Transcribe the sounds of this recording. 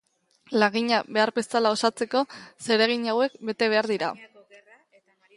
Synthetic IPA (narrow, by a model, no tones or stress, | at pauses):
laɣiɲaβe̞aɾbe̞salao̞sat͡se̞ko̞se̞ɾe̞ɣ̞iɲawe̞kbe̞t̪e̞β̞e̞aɾðiɾa̰